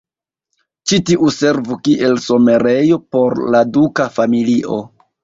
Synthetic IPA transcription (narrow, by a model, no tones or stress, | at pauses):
t͡ʃitiʔuse̞ɾvukiʔe̞lso̞me̞ɾe̞jo̞po̞ɾladukafamiliʔo̞̰